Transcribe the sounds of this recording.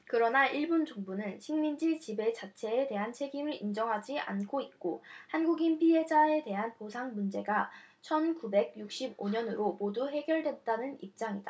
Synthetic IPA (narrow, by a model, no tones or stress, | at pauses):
kɯɾʌnaʔiɭbund͡ʑoŋbunɯnɕʰiŋmind͡ʑit͡ɕibe̞t͡ɕat͡ɕʰe̞ːte̞ɦant͡ɕʰe̞ɡimɯɾind͡ʑʌŋɦad͡ʑia̰nkʰoit̚k͈ohanɡuɡinpʰiɦe̞d͡ʑae̞te̞ɦanposʰaŋmund͡ʑe̞ɡa | t͡ɕʰʌnkube̞ɡ̚juk̚ɕ͈iboɲʌnɯɾomoduɦe̞ɡjʌɭdwe̞t̚t͈anɯnip̚t͡ɕ͈aŋida